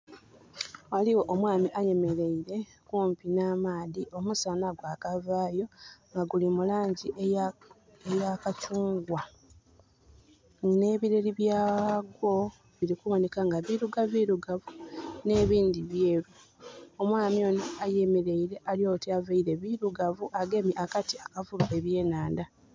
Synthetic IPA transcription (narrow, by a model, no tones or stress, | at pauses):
waliwo̞ʔomwaːmiʔaje̞me̞ɾe̞iɾe̞ | kuːmpinaːmaːðiʔo̞musanaɡwaːkavaːjo̞ŋɡaɡulimulaːɲɟi | ejakat͡ʃuːŋɡwa | ne̞ːβiɾeliβjaːɡwo̞ | βiɾikuwanekaŋɡaβiɾuɡaβiɾuɡavune̞ːβiːndiβje̞ːɾu | omwaːmijo̞niajemiɾeiɾe̞ʔaljo̞ːtiavaiɾe̞βiɾuɡavuʔaɡe̞miʔakatiakavuɾaʔe̞βje̞ːnaːnda